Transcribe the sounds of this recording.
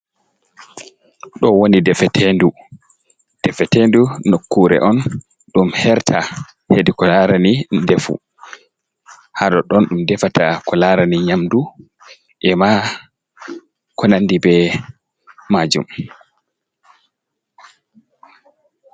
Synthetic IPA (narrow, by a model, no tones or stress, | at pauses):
ɗɔwonidɛfɛtʰendu | d̥ɛfɛtendunokːuɾɛ̰ʔɔn | ɗumhɛɾtʰa | hedikɔlaɾanidefṵ | haɗɔɗɔnɗumdɛfatakɔlaɾaniɲamdu | ʔɛma | kɔnandibɛ | mad͡ʒṵm